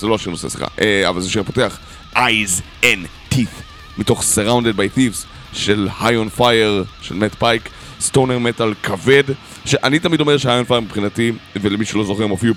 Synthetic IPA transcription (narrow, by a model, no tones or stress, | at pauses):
zeloaʃiʁnosḛsli̥̰χa̰ʔea̰valzeʃepote̞aχ | ʔajz | en | t̪if | mito̞χseʁawnded̪̚bajθivs | ʃelhajonfajeʁʃelmetpajk | stoneʁmet̪alkʰave̞d | ʃeʔanit̪amido̞meʃehajonfajmipχinativelemiʃelo̞zoχemofiu